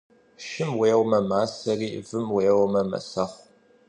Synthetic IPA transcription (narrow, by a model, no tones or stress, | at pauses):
ʃɪmweːwmɐmaːsɐriːvɨmweːwmɐmɐ̰sɐχʷ